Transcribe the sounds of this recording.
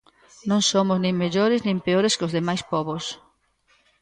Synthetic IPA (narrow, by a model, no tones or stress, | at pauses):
nõŋsomʊznẽŋmeʎoɾɪznĩmpeoɾeskozðemajspɔβos